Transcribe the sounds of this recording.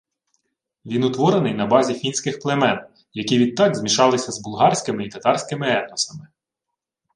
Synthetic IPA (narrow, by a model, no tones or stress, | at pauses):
ʋʲinʊt̪ʋɔɾenɪjnɐbɑzʲifʲinʲsʲkɪxplˠemɛn | jɐkʲiʋʲid̪̚t̪ːɑɡzmʲiʃɑlˠɪsʲɐzbʊlˠɦɑrʲsʲkɪmɪit̪ɐt̪ɑɾsʲkɪmɪɛd̪nɔsɐmɪ